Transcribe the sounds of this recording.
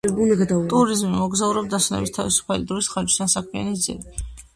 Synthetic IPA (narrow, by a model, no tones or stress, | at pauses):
t̪ʼuɾizmimɔɡzauɾɛbd̪asunɛ̰bist̪ʰavisu̥pʰalid̪ɾɔisχaɾd͡ʒi̥st̪ansakʰmia̰nisd̪zḭɾi